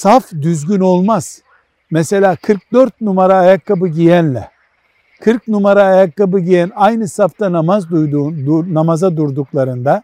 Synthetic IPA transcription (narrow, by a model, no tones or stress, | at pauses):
safd̪yzɟyno̞lˠmaz̥ | mese̞lʲaːkʰɯɾk̚d̪øɾt̪̚numaɾaːjakʰːabɯɟijænlʲɛ̰ | kʰɯɾk̚numaɾaːjakːabɯɟijænajnɯsaft̪anamazd̪ujd̪uːnnamazad̪uɾd̪uklˠaɾɯnd̪a